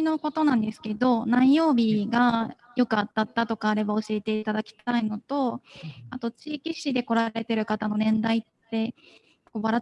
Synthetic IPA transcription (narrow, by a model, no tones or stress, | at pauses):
ino̞ko̞t̪o̞nãnd̪e̞sɨ̥ke̞d̪o̞nãɰ̃ĩjo̞ːbʲiɡa | jo̞kɯ̟at̪ːat̪ːat̪o̞kaːɾe̞bao̞ɕie̞t̪e̞it̪ad̪akʲi̥t̪aino̞t̪o̞at̪o̞t͡ɕiːkʲiɕid̪e̞ko̞ɾaɾe̞t̪e̞ɾɯ̟kat̪ano̞nẽ̞nd̪ait̪ːe̞ | koβaɾa